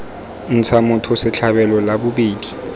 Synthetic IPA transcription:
n̩t͡sʰamʊtʰɔsɪt͡ɬʰaɓɛlɔlaɓuɓiːli

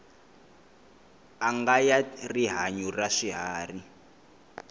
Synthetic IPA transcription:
aŋɡajariɦaɲuraʂiɦaːri

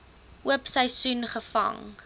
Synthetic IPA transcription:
ʔuəpsəjsunχəfɐ̰ŋ

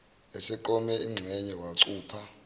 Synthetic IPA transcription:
esɛǃɔmɛiŋ͡ǁʱɛɲɛwaǀuːpʰa

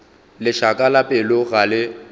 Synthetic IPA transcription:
lɪʃakʼalapʼɪlʊɣalɪ

